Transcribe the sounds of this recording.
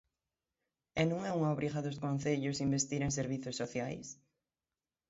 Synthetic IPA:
ɛnũŋɛuŋaoβɾiɣaðoskõnθeʎʊsimbest̪iɾeŋs̬eɾβiθjosːoθjajs

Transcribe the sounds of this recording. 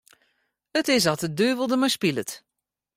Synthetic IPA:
ətɪs̬ɑtədøːvəlˠdəmɔjspilət

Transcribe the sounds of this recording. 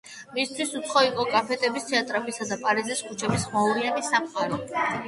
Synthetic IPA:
mist̪ʰwisut̪sʰχɔiqʼɔkʼapʰɛt̪ʼʰɛbist̪ʰɛat̪ʼɾapisad̪apʼaɾiziskʰut͡ʃʰɛbisχmauɾianisamχʼaɾɛ

